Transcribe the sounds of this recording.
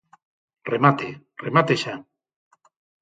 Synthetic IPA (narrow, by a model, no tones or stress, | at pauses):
remat̪e | remat̪eʃa